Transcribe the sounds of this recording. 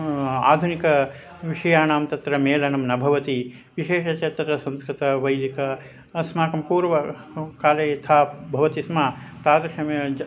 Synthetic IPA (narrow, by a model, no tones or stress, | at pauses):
a̰ːd̪ʱunikɐ | ʋiʂɐjaːnaːmt̪ɐt̪ɾɐmeːlɐnɐmnɐbʱɐʋɐt̪i | ʋiʃeːʃɐt͡ʃet̪ɾɐsɐ̃mskɾit̪ɐʋɐjd̪ikɐ | ɐsmaːkɐmpuːɾʋɐkaːleːt̪ʰaːbʱɐʋɐt̪ismaːt̪aːd̪ɐʂɐm